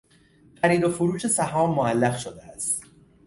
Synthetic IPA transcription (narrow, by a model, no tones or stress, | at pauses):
fæɾiːɾo̞fuɾuːʃe̞sæhɒːmːoælːæɣʃod̪eæst̪